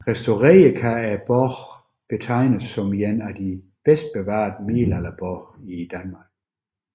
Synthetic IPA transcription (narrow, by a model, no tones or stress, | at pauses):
ʁɛsd̥oʁeːəkʰææb̥ɔʁ | b̥ət͡sʰɑ̈ɪ̰nəsːɔmienæd̥i | b̥esd̥̚b̥eʋɑ̰̈ːd̥əmeːlælɐb̥ɔʁid̥ænmɑ̈ːɡ̥̚